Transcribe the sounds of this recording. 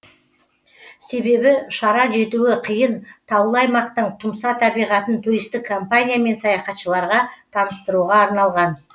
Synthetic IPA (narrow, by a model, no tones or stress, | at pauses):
se̞be̞bɪʃɑɾɑʒe̞t̪uɪqʰəjənt̪ʰɑwlˠɑjmɑqt̪əɴt̪ʰʊmsɑt̪ʰɑbijʁɑt̪ənt̪ʰuɾijst̪ɪkʰːo̞mpanʲijame̞nsɑjɑχɑt̪ʃəlˠɑɾʁɑt̪ʰɑnəst̪əɾuʁɑːɾnɑlˠʁɑn